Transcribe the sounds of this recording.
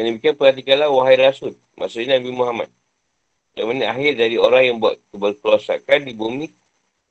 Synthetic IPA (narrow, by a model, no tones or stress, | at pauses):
jaŋndəmikianpəɾat̪̬ikanlawaɦajɾasʊl̚ | mʔa̰ʔsʊʔɲaabimuɦama̰t̪̚ | ɾamaniaɦɪrdadioɾaŋjaŋbua̰t̪tubərkluasa̰kandibumi